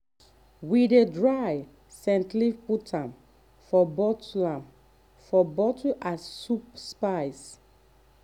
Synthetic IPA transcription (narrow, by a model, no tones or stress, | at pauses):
widedɹaj | sɛ̃ntliputʰãm | fɔbɔtlãm | fɔbɔtuʔassup̚spajs